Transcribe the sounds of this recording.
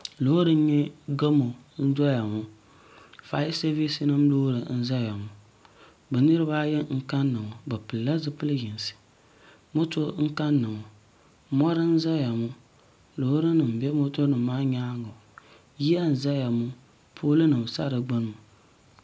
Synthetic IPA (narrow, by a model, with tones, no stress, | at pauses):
lo˨˦o˦ɾɨ˦ɲɛ˦ɡa˦mo˨n̩˦dɔ˦ja˨mʊ˦ | fa˨ji˦se˦vi˦sɨ˦nɨ˦mloː˦ɾɨ˨˦n̩˦za˦ja˨mʊ˨ | bɛ˨nɨ˦ɾɨ˦baː˦jɛ˦ŋ̩˦ka˦nːɨ˨ŋɔ˨bɛ˨pɨ˨lːa˦zɨ˦pɨ˦lɨ˦jɪ˨n˨sɨ̥˨ | mo˦to˦ŋ̩˦ka˦nːɨ˨ŋɔ˨ | mɔ˦ɾɨ˦n̩˦za˦ja˨mʊ˦ | lo˨hɾɨ˦nɨ˨m̩˨bɛ˦mo˦to˦nɨ˨m̩ː˦aː˦ɲaː˦ŋo˨ | ji˦a˦n̩˨za˦ja˨mʊ˦ | pʰoː˦lɨ˦nɨ˨m˨sa̰˦ɾɨ˨ɡ͡bɨ˦n˦mʊ˨